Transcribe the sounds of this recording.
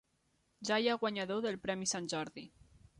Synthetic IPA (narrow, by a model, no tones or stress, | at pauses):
ʒajaɣwaɲaðoðəlˠpɾɛmisanʲʒɔɾði